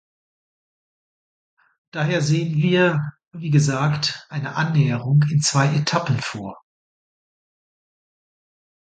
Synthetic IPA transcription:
d̥aːɦeːɐzeːənviːɐ | viːɡəzaːktʔaɪnəʔanːɛːəʁ̞ʊŋɪnt͡sv̥aɪʔetʰapn̩foːɐ

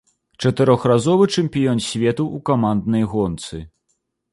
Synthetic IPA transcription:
t͡ʂɐt̪ɨɾɔxrazɔvɨt͡ʂɛmʲpʲijɔnsʲvʲɛt̪uʔːkamand̪nɐjɣɔnt̪sɨ

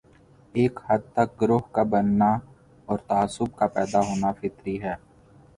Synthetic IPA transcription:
eːkhɐd̪̚t̪ɐk̚ɡɾʊɦkabənːa | ɔːɾt̪aaːsʊb̚kapɛːd̪aɦoːnafɪt̪ɾiɦɛː

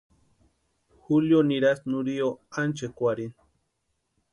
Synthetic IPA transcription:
xuljoniɾasnuɾioant͡ʃekʷaɾin

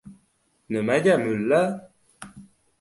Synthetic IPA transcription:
nəmadaməla

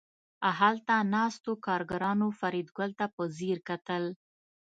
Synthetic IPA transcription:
aɦalt̪anɑst̪okɑɾɡaɾɑnofaɾid̪ɡəlt̪apəziɾkat̪əl

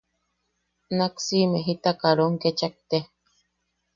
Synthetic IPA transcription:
naksimeɦit̪akaɾoŋket͡ʃak̚t̪e

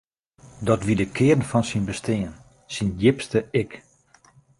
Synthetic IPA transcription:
dɔtʋidəkʰɪərn̩fɔnsinbəstɪən | sinjɪpstəɪk

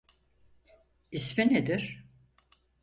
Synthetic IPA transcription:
ismined̪iɾ̥

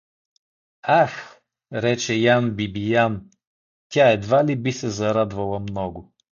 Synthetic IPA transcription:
ax | ɾɛt͡ʃɛjanbibijan | t̪ʲaɛd̪valibisɛzɐɾad̪vɐlˠɐmnɔɡʊ

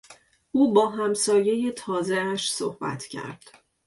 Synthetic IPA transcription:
ʔuːbɒːɦæmsɒːje̞je̞t̪ʰɒːzeæʃso̰hb̥æ̰t̪ʰcʰæ̰ɾd̪̥

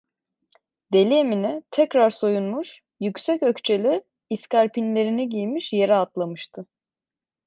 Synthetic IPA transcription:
d̪̥e̞lʲieminɛt̪ʰɛcɾaɾso̞junmuʃ | jycʲsɛcøct͡ʃʰe̞lʲiː | scaɾpʰinlʲe̞ɾinɛɟijmiʃje̞ɾɛat̪lˠamɯʃt̪ʰɯ

